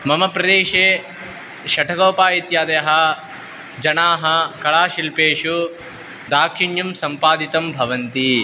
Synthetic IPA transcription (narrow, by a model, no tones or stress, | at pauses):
mɐmɐpɾɐd̪eːʃeː | ʃɐʈʰɐkoːpaːit̪jaːd̪ɐjɦɐ | d͡ʒɐnaːɦɐkɐɭaːʃilpeːʂu | d̪aːkʂiɳjɐmsɐmpaːd̪it̪ɐmbʱɐʋɐnt̪i